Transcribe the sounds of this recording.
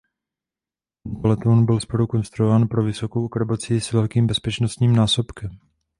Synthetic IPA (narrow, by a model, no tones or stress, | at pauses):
polɛt̪onbɪlspoɾuko̞nst̪ɾuovaːnpɾo̞vɪso̞ko̞wkr̩bo̞t͡sisvɛlkiːmbɛspɛt͡ʃno̞st̪ɲiːmnaːso̞pkɛm